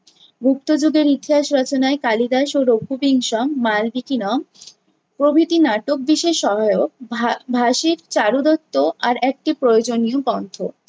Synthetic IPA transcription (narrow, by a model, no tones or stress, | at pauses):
ɡʱuk̚t̪od͡ʑoɡeɾit̪iɦaʃɾɔt͡ɕonaekalid̪aʃoɾoɡʱubiŋʃɔmːalbikinɔm | pɾobʱit̪inaʈok̚biʃeʃɔɦaeokbʱaʃiɾt͡ɕaɾud̪ɔt̪ːoaɾɛk̚ʈipɾojod͡ʑonijobɔnt̪ʰo